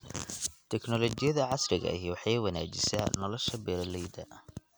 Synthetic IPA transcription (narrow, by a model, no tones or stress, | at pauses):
t̪ʰɛknɔlɔt͡ʃɪjɐðɐʕɑsrɪɣɐ̰jiwɑħewɐna̰ːt͡ʃɪsa̰ːnɔlɔʃɐbɛːɾɐlɛjd̪ɐ̰